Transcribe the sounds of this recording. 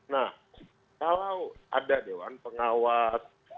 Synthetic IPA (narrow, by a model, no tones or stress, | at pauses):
nah | kalawa̰dadewanpəŋawas